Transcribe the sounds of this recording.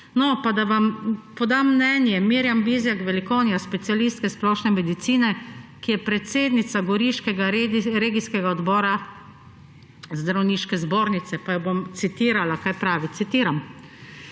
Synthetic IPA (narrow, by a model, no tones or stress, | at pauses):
nɔpad̪aʋampɔd̪amːnɛnjɛmiːɾjamʋizjaɡʋɛlikɔwnjaspɛt̪sialiːst̪kɛsplɔːʃnɛmɛd̪it̪siːnɛkijɛpɾɛt̪seːd̪nit̪saɡɔɾiʃkɛɡaɾeɾeːɡiskɛɡaɔd̪bɔːɾa | zd̪ɾawniːʃkɛzboːɾnit̪sɛpajɔbomt̪sit̪iːɾalakaːjpɾaːʋit̪sit̪iːɾam